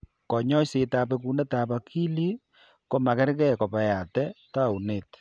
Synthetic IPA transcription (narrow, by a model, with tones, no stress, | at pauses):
kɔ˨ɲɔ˦se˨taː˨pe˦k̬u˦ne˦taː˨pa˨kʰi˦li˦ | ko˦ma˨kɛ˦ɾkɛ˦˨kɔ˨pa˨ja˨tɛ˦ta˦˨u˨neː˨t